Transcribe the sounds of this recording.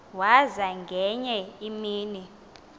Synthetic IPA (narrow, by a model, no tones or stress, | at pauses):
wazaŋɡʱɛɲɛimiːni